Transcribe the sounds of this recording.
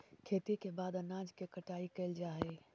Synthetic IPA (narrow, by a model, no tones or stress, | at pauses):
kʰeːt̪ikebad̪ənad͡ʒkekəʈaikəɪld͡ʒaɦɛ